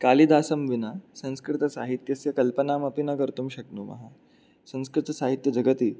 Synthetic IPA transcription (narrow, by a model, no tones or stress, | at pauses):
kalid̪aːsɐmʋinasɐ̃ñskɾɪt̪ɐsa̰ɦit̪jɐsjɐkɐlpənaːmɐpinɐkəɾt̪umɕɐk̚nuːmɐ̰ɦa | sɐ̃ñskɾɪt̪ɐsaɦit̪jɐd͡ʑʱɐɡət̪iː